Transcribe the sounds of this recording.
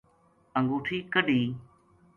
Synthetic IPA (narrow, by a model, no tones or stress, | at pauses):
əŋɡuːʈʰiːkəɗĩː